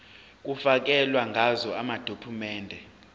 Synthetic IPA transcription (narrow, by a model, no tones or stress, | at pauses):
k̬ʼufak̬ɛlwaŋʱazɔamad̥ʱokʰumɛːndʱɛ